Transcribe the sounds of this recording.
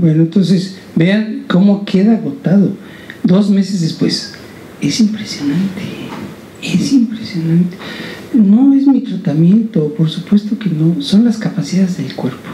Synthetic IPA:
bwe̞noent̪o̞nses | be̞anko̞mo̞kʰe̞ðaɣo̞t̪aðo̞ | d̪o̞zme̞sezðespwes | e̞simpɾesjonant̪e̥ | esimpɾesjo̞nãnt̪eno̞e̞zmit̪ɾat̪amje̞nt̪o̞po̞ɾsupwe̞st̪o̞keno̞so̞nlaskapasiðaðezðelkwe̞ɾpo̥

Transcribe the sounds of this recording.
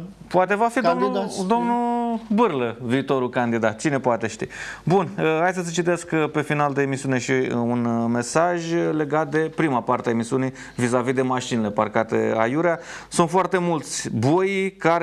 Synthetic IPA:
poat̪e̞vafid̪omnd̪o̞mnubɨrləviːt̪o̞ɾulkand̪id̪at̪̚t͡ʃine̞poat̪e̞ʃt̪ḭbunəhajsəs̬et͡ʃit̪e̞skpe̞finald̪e̞ːmisiune̞ʃiunme̞saʒle̞ɡat̪̚d̪e̞pɾimapart̪eaemisiunij | vizavid̪e̞maʃinele̞parkat̪e̞̰a̰juɾiasunt̪foart̪e̞mult̪sʲbojkaɾ

